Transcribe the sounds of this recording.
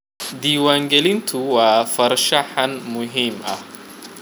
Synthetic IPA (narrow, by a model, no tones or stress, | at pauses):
d̪iːwaːŋɡɛlɪnt̪ʰʊwɑːfɐrʃɐħɐnmʊɦiːmʔɐh